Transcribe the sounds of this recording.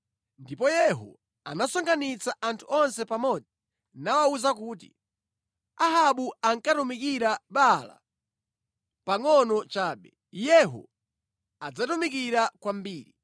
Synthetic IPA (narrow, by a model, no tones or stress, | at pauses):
ndipɔjɛɦṵ | anasɔŋɡanit͡saʔantʰuɔnsɛpamɔd͡zi | nawauzakuːt̬ḭ | aɦaɓuaŋkatumikiɾaɓala̰ | paŋɔnɔt͡ʃaːɓɛ | jɛɦṵ | ad͡zatumikiɾakwambiːɾi